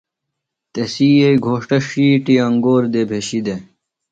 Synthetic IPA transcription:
t̪esiːeiɡʱoːʂʈɐʂiːʈiɐŋɡoːɾd̪ebʱeɕid̪e

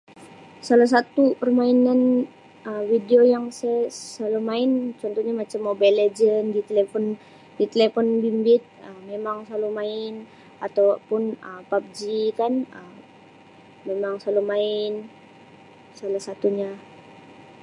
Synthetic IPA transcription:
salas̬at̪upərmainan | əmwideojaŋsɛsalumaɪnt͡ʃɔnt̪ɔhɲamat͡ʃamːobaled͡ʒəndit̪elefɔn | dit̪elefɔnbimbɪt̪̚əmːemaŋsalumaɪn | at̪awpʊnəpap̚d͡ʒikanəmː | emaŋsalumaɪn | salahsat̪uɲa

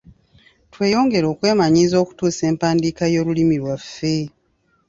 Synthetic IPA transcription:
twe̞ːjo̞ːŋɡe̞ɾo̞ːkwe̞ːmaɲiːzo̞ːku̥tuːse̞ːmpaːndikajo̞ːɾulimiɾwafːe̞

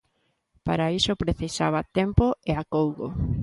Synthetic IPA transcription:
paɾaisopɾeθisa̰β̞at̪empoeakowɣo̰

